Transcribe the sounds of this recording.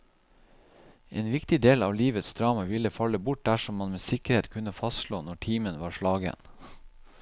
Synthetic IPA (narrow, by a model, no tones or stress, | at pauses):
ʔeːnʋɪkt̪ɪd̪eːlɑ̰ːʋliːʋət̪sd̪ɾɑːmɑʋɪləfɑləbʊʈ̚d̪æʂɔmmɑnmeːsɪkəɾeːt̪kʰʉnəfɑst̪ʃloːnɔʈʰiːmənʋɑːʂɭɑːɡə̰n